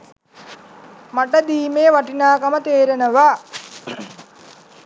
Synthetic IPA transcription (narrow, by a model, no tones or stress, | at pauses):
maʈəd̪iːmeːʋaʈinaːkamət̪eːɾenəʋa